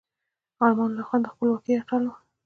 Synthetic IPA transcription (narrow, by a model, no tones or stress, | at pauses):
ɑlmɑnlaxwand̪xpəlwɑkeaʈ͡ʂalo